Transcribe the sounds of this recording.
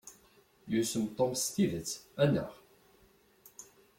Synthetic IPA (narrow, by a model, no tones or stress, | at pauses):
jusəmt̪ˤomst̪iðət͡sːænːə̰ʁ